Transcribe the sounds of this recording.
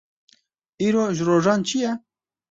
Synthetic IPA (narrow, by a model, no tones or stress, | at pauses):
iːɾoːʒɾoːʒɑːnt͡ʃʰijɛ